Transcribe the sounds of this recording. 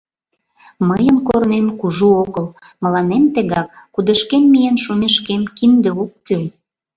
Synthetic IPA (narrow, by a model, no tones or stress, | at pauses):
məjənkornemkuʒuoɣəl | məlɑnemt̪eɣɑkːud̪əʃkenmijenʃumeʃkemkind̪ĕokːyl